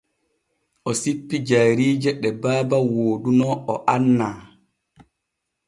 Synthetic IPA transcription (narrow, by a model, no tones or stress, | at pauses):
ʔɔsipːid͡ʒaɾiːd͡ʒɛɗɛbaːbawoːdunɔɔʔanːaː